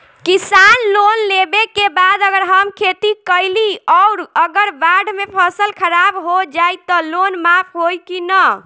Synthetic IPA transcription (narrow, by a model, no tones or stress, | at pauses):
kisanlonlebekebad̪əɡəɾɦəmkʰet̪ikəjliɔʊɾəɡəɾbaɖmepʰəsəlkʰəɾabɦod͡ʒajt̪ɔlonmapʰɦojkinə